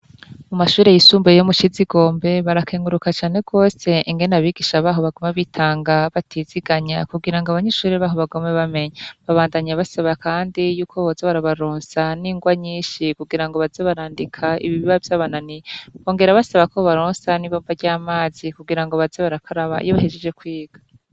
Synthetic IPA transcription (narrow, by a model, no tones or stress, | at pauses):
mumaʃuːɾe̞jisuːmbejomut͡ʃiziɡo̞ːmbe̞βaɾakʰeːŋɡuɾukat͡ʃaːne̞ɡo̞ːse̞iŋɡe̞naβiːɡiʃaβaːɦo̞βaɡomaβitʰaːŋɡaβatʰiziɡaɲakuɡiɾaŋɡoaβaɲe̞ʃuːɾeβaːɦo̞βaɡomeβame̞ɲaβaβaːndaɲaβasaβakʰaːndijuːkʰo̞βozeβaɾaβaɾoːnsaniːŋɡwaɲiːnʃikuɡiɾaŋɡoβazeβaɾaːndikʰaḭβiβiβavjaːβananiβo̞ːŋɡe̞ɾaβasaβakʰo̞βaɾoːnsaniβoːmbaɾɟaːmaːzikuɡiɾaŋɡo̞βazeβaɾakʰaɾaβa̰ḭjoβaheʒed͡ʒe̞kwiːɡ̥ḁ